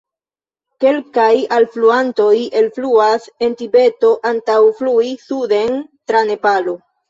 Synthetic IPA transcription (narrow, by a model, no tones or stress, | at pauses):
ke̞lkajalfluanto̞jelfluase̞ntibe̞to̞ʔantawfluisude̞ntɾane̞palo̞